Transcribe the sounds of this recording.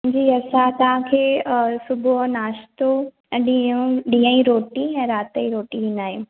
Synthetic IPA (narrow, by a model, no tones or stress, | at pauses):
d͡ʑiːɐsãt̪ɐʋ̤ãkʰeːsʊbʱuɦnaːʃt̪õ | ɗiũɗĩːə̃iɾoːʈiɛ̃ːɾaːt̪əiɾoːʈĩɦĩnaːɦĩ